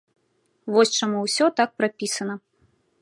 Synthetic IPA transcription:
vɔsʲt͡ʂamuwsʲɔt̪ak̚pɾapʲisɐnɐ

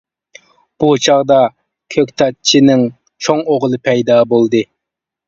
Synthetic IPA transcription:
b̥ut͡ʃʰɑʁd̪ɑ | kʲʰøkʲt̪ʰɑt̪̚t͡ʃʰinɪŋ | t͡ʃʰoŋoʁlˠɨpʰɛjd̪ɑːbolˠd̪ɨ

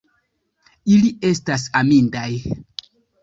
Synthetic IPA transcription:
ilie̞stas̬amindaj

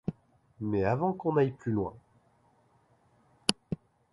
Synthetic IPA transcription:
mɛavɑ̃kɔ̃najplylwɛ̰̃

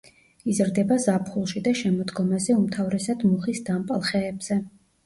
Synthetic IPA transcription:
izɾd̪ɛbazapʰχulˠʃid̪aʃɛmɔd̪ɡɔmazɛumt̪ʰavɾɛsad̪muχisd̪ampʼalˠχɛːbz̥ɛ

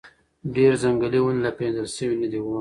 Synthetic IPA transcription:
ɖeɾzaŋɡəliwunlapenzəlʃəwinəd̪iwu

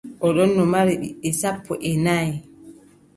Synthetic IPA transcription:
ʔɔɗɔnːɔmaɾɛɗḭɛsapʰːɔ̰ʔɛnaj

